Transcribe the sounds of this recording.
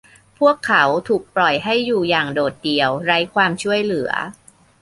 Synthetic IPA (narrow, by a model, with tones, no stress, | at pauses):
pʰu˥˩əkʰːa˩˦wt̪ʰuː˨˩k̚plɔ˨˩jɦa˥˩jːuː˨˩jaː˨˩ŋdoː˨˩t̪̚di˧əwɾa˦˥jkʰwaː˧mt͡ɕʰu˥˩əjlɯ˨˩˦ɐ̰